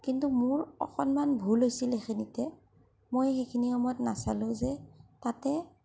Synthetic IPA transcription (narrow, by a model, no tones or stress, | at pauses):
kintumʊɹɔ̰xɔnmanbʱulɦojsilexinitɛ | mojxekʰiniɔmɔtnasalʊ̃zɛtatɛ